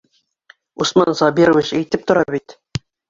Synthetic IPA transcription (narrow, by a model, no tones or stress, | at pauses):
usmɑnsɑbiɾovʲit͡ɕæjt̪ɘp̚t̪ŏɾɑbit̪